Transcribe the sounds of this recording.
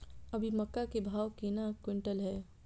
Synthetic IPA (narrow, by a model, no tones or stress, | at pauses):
ɐbʱimɐkːakebʱaːwkenakwɪ̃ɳʈəlɦɛː